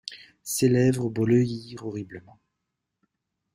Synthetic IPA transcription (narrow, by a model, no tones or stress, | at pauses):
selɛvʁəbɔləjiʁɔʁibləmɑ̃